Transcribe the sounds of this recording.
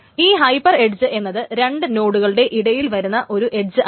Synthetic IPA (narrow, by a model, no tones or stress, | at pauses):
iːɦɐjpɐre̞ɖd͡ʑɨʔe̞nːɐðɨɾe̞ɳɖɨno̞ːɽuɣɐɭɨɽe̞ʔiɽɐjilʋɐɾunːɐʔo̞ɾuʔe̞ɖd͡ʑɨ